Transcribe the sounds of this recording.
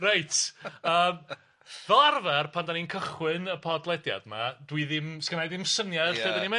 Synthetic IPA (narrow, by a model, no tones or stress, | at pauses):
rajtʰəːm | vɛlˠarvɛrpʰandaninkʰəχwɨnəpʰɔdlˠɛdja̰dma̰d̥wiðɪmskənajdɪmsənjḁedanimɛ